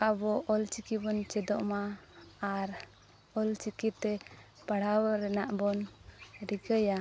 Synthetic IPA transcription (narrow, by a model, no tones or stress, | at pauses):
abɔʔɔlt͡ʃikibɔnt͡ʃɛd̪ɔʔmaaɾ | ɔlt͡ʃikitt̪ɛ | paɽawaɾɛnaʔbɔnɾiɡəja